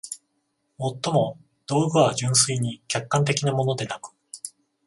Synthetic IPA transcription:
mo̞t̪ːo̞mo̞ | d̪̥o̞ːɡɯ̟βad͡ʑɨ̃ɰ̃s̬ɨiɲ̟ikʲakːãnt̪e̞kʲinamo̞no̞d̪e̞nakɯ̥

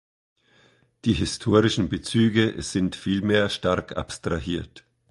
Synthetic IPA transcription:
d̥iːɦɪstʰoːʁɪʃn̩bət͡syːɡəz̥ɪntfiːlmeːɐʃtaʁkʰa̰pstʁ̥ahiːɐt

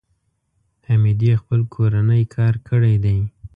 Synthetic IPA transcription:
amid̪expəlkʰoɾanəjkʰɑɾkʰəɽajd̪aj

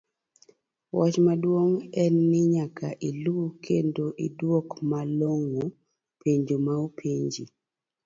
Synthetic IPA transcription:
wɔt͡ʃmadwoŋɛnːɪɲakaʔilukʰendoʔidwokmaloŋo | pʰeɲd͡ʒomaopʰeɲd͡ʒi

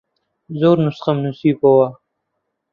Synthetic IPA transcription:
zoːɾnusqamnusiːpowa

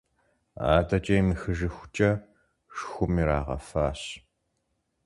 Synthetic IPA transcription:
a̰ːdɐt͡ʃʼɐjmɨxɨʒɨxʷʊ̥t͡ʃʼɐ | ʂxʷʊmiɾaːʁɐ̰faːɕ

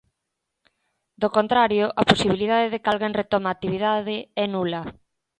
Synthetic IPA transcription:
d̪okont̪ɾaɾjʊʔaposiβilið̞aðeðekalɣenret̪ɔmaːt̪iβiðaðɪɛnulɐ

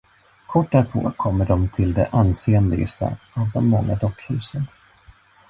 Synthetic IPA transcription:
kʰɔʈːæɾpʰo̰ːkʰɔmːəɖɔmt̪ʰɪld̪ɛʔanseːɛnd̪ɪɡəst̪ə̰ | ɑvd̪ɔmːɔŋːad̪ɔkːhʉ̟ːsən

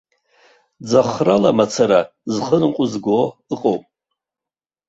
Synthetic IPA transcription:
d͡zaχralamat͡sʰaɾa | zχənɨqʷʼʊzɡʷoɨqʼowpʼ

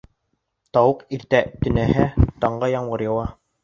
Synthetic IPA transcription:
t̪ɑwɤqiɾt̪æt̪ɵ̆næhæt̪ɑɴɢɑjɑɴwɤɾjɤ̆wɑ

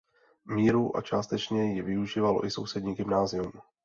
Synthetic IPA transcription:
miːɾuʔa̰t͡ʃaːst̪ɛt͡ʃɲɛjɛvɪuʒiːvalo̞̰ʔɪso̞wsɛdɲiːɡɪmnaːzɪum

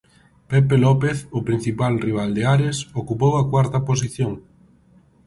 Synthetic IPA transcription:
pepelɔpeθʊpɾin̟θipalriβ̞ald̪eaɾesokupowɐkwaɾt̪ɐpos̬iθjoŋ

